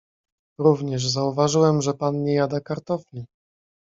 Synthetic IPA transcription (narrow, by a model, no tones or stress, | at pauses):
ɾuvɲɛʐzauvaʐɘwɛmʐɛpanɲɛjad̪akaɾt̪ɔflʲi